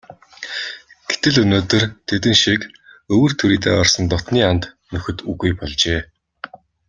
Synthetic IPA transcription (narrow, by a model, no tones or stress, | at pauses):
ɡ̥et̪ɘ̆ɮɵnoːt̪ɵ̆rt̪ʰet̪ɘ̆nʃik | ɵwɵ̆rt̪ʰɵɾiːt̪ḛːɔrsə̆nt̪ɔt̪niːant̪ | nɵxɵ̆t̪uɣujpɔɮt͡ɕeː